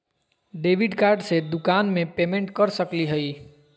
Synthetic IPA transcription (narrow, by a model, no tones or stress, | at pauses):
ɖeːʋɪɖkaːɾɖsed̪ʊkaːnmẽpeːmẽɳʈkəɾsəkliɦəi